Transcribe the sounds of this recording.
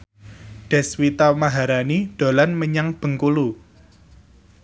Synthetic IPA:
ɖ̥ɛ̤swit̪amaɦaɾaniɖ̪̥o̤lanməɲaŋb̥ə̤ŋkulu

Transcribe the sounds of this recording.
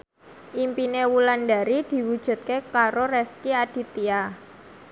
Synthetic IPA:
ʔimpinewulanɖa̤ɾid̪̥i̤wud̥ʒ̥ṳt̪̚kekaɾoɾɛskiad̥i̤t̪ia

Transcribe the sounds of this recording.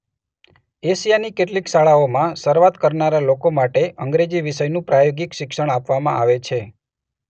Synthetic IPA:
esijanikeʈlikʃaɭaomãʃəɾʋat̪kəɾnaɾalokomaʈeʔəŋɡɾed͡ʒiʋɪʃəjnũpɾajoɡɪkʃɪkʃəɽ̃apʋamãʔaʋet͡ʃʰe

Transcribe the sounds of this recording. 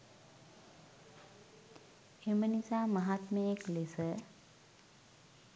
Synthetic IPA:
emənisaːməɦat̪məeklesə

